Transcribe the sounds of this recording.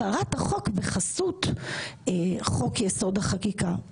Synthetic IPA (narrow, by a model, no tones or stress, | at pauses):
aʁathaχo̞kveχasutː | χo̞kjeso̞dhaχakika